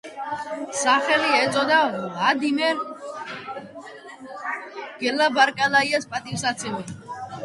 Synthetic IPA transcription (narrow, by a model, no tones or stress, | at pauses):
saχɛliɛzʼɔd̪alad̪imɛɾ | ɡ̥ɛlabaɾkʼalaiaspʼat̪ʼisat̪sʰɛɛ